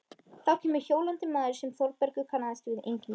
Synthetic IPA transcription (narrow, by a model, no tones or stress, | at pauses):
θacʰɛːmɪɾçoːwlant̪ɪmːaːðɪɾ̥sɛmθɔɾpɛɾkʏkʰaːnaðɪst̪ɪvɪðḛjɲcɪm